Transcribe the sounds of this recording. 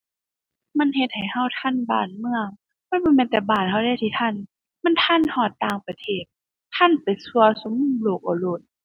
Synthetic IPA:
ma˧˥˨nhe˧t̪̚ha˨˩jha˧˥˨wt̪ʰa˧˥˨nba̰ː˨˩nmɯ˧˨əŋ | ma˧˥˨nbɔː˧˦mɛː˧˥˦nt̪ɛː˨˩baː˨˩n̚ha˧wda˧˩˨jt̪ʰiː˧˩t̪ʰa˧˥˨n | ma˧˥˨nt̪ʰa˧˥˨nhɔː˧˩t̪ːaː˧˩ŋpa˧t̪ʰeː˧˩t̪̚ʰ | a˧˥˨npa˨˩jsu˧ɐso˧˦mːuː˧˥˨loː˧˩k̚ʔɔ˧˩lo˧˩t̪̚

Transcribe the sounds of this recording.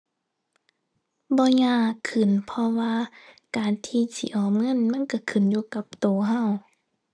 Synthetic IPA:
bɔː˧˦ɲaː˧˥˨kʰɯ˨˩˨npʰɔ˧waː˧ | kaː˨nt̪ʰiː˧siː˧˨ʔɔː˨˩m̚ŋɤ˧˥˨nma˧˥˨nka˧˩kʰɯ˨˩˨njuː˧˦ka˧˦p̚t̪oː˨˩ɦa˧˨w

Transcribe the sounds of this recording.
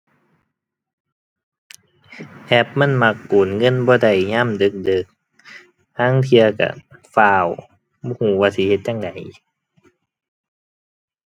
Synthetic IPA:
ʔʰɛ˧˩p̚ma˧˥˨nma˧˦kːuː˨˩˦nŋɤ˧˥˨nbɔː˧˦da˧˩jɲaː˧˥˨mdɤ˧˦k̚dɯ˧˦k̚ | haː˧˥˨ŋt̪ʰi˧ɐ˧ka̰˧˩faː˧˩w | bɔː˧˨huː˧˩waː˧˨si˧˩he˧˦t̪̚ɲa˧˨ŋda˨˩˦j

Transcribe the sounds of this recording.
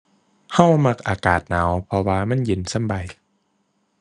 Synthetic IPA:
ha˧˥˩wma˧k̚ʔaː˨˧kaː˨˩t̪̚naː˩˦wpʰɔ˧waː˧ma˧˥˨nji˧˩nsa˧˥˨mba˨˩j

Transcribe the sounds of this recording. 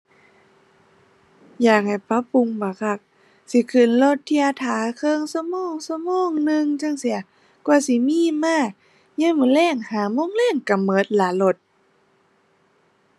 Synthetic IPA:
jaː˧˩k̚ha˨˩jpa˧˥pu˧ŋbaː˨˧˦kʰa˧˩k̚ | si˧˦kʰɯ˨˩˨nlo˧t̪ʰːi˧˩ʔaː˧t̪ʰaː˨˦kʰɤː˧˨ŋsa˧mɔː˧˩˨ŋsa˧mɔː˧˨ŋnɯ˧ŋt͡ɕa˧˥˨ŋsi˧˦ɐ | kwa˧˨si˧˦miː˧˥˨maː˧˥˨ | ɲɯː˧˥˨mɯ˧˦˨lɛː˧˥˩ŋhaː˨˦moː˧˥˨ŋlɛː˧˥˩ŋka˨˩mɤː˨˦t̪̚la˨˧˦lo˧˩t̪̚

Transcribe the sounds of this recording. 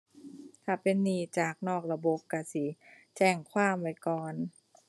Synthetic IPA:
t̪ʰa˧˩pe˧˨nːiː˧˩t͡ɕaː˨˩k̚nɔː˥˩k̚la˧bo˧˦p̚ka˧˩si˨˦ | t͡ɕɛː˧˩ŋkʰwaː˥˩mwa˧˩jkɔː˨˩n

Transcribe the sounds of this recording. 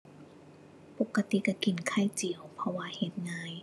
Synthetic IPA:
po˧˦kːa˧t̪i˧˦ka˧˩ki˨˩nkʰa˧˥˩jt͡ɕi˨˩əwpʰɔ˧waː˧he˧˩t̪̚ŋaː˧j

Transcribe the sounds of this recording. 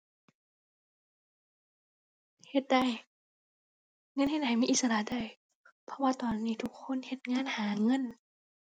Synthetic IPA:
he˧˩t̪̚da˧˩˨j | ŋɤ˧˥˨nhe˧t̪̚ha˨˩jmiː˧ʔi˧t̪sa˧la˧˨da˧˩j | pʰɔ˧˥waː˧t̪ɔː˨˩nːiː˧˩t̪ʰu˧kʰːo˧˥˨nhe˧˦t̪̚ŋaː˧˥˨nhaː˩˦ŋɤ˧˥˨n

